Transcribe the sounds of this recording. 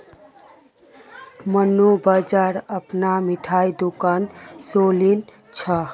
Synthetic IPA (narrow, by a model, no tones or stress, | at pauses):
mənubəd͡ʒaɾəpnamiʈʰaid̪ukansolin | t͡ʃʰə